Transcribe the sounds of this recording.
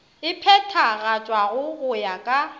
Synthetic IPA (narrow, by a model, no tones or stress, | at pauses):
ɪpʰɛtʰaɣat͡ʃʼwaɣʊɣʊjakʼa